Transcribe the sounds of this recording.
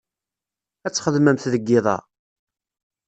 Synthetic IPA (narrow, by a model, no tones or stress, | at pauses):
æt͡sːχəðmæmθðəɡːɪðˤɑ̰